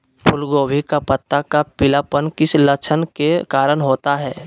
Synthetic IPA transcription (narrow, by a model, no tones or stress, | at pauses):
pʰʊlɡoːbʱikapət̪ːakapɪlapənkɪslət͡ʃʰənkekaːɾəɽɦoːt̪aɦɛː